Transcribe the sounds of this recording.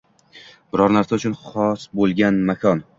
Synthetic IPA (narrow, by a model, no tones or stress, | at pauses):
b̥ɪɾɒɾnaɾsaʊt͡ʃʰʊnχɒsbolˠɡʲanmakʰɒn